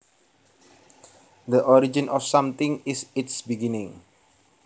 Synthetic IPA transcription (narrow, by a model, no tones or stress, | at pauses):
d̪əʔɔɾid͡ʒĩnʔɔfsãmt̪ɪŋɪsɪtsbiɡinɪ̃ŋ